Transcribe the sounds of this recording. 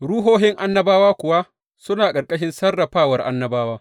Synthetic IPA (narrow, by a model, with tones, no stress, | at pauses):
ɽu˦ɦoː˦ɦɪ˦ŋʔa˦nːɐ˦baː˦waː˦kʷʊ˨wa˦ | sʊ˦naː˨kʼɐ˨rkʼɐ˦ʃ̬ɪ˦nsɐ˦rːɐ˨ɸaː˦wɐ˨rʔa̰˦nːɐ˦baː˦waː˦